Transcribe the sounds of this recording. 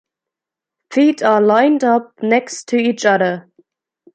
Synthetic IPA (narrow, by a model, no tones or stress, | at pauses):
fiːˑtəlãɪ̃ndʌp̚nɛkstʰəiːt͡ʃʌðə